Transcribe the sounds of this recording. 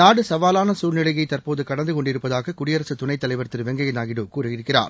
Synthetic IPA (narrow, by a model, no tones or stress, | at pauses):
naːɽɯsɐʋaːlaːnɐsuːlnɪɭɐɣɐɪt̪ɐɾpoːðɯkɐɽɐnd̪ɯkɔɳɖɪɾɯpːɐðaːɣɐkʊɽɪjɐɾɐsɯt̪ʊnɐɪt̪ːɐlɐɪʋɐɾt̪ːɪɾʋɛŋɡɐjɐnaːɣɪɽɯkuːɾɯɪɾɯkːɪra̰ːɾ